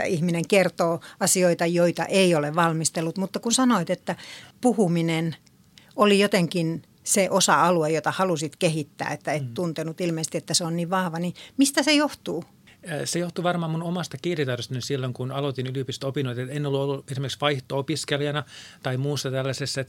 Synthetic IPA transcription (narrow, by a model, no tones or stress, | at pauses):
æ̰ihmineŋkert̪oːɑsioit̪ɑjoit̪ɑ̰ʔeioleʋʋɑlmist̪elːut̪mut̪ːɑkunsɑnoit̪et̪ːæpuhuminen | olijot̪eŋkin | seʔosɑɑluejot̪ɑhɑlusit̪kehit̪ːæ̰ːet̪ːæet̪t̪unt̪enut̪ilmeis̆t̪iet̪ːæseonniʋʋɑhʋɑnimist̪æsejoht̪uː | sejoht̪uʋɑrmɑːmunomɑst̪ɑkiːrit̪ɑrost̪ɑnisilːoŋkunɑlot̪inyliopist̪opinoit̪ɑt̪enːolːuolːuesimerkiksʋɑiht̪oopiskeljɑnɑt̪ɑimuːsːɑt̪ælːæsesːæt̪